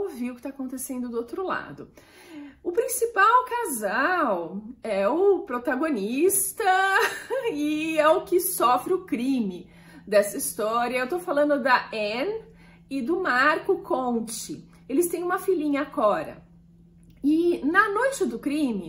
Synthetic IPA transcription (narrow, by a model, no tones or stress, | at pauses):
viʊkɪ̥t̪aːkõt̪esẽnd̪ʊd̪ʊowt̪ɾʊla̰d̪ʊ | ʊpɾĩsipawkazawɛʊpɾot̪aɡonist̪ɐ | ɪɛʊkɪsɔfɾɪʊkɾĩmɪ | d̪ɛsɐist̪ɔɾiɐewt̪ofalɐ̃nd̪ʊd̪ɐɛ̃n | ɪd̪ʊmaɾkʊkʰõt͡ʃɪ | elɪst̪ẽj̃ũmɐfilĩɲɐkɔɾɐ̰ | ɪnɐnojt͡ʃɪd̪ʊkɾĩmɪ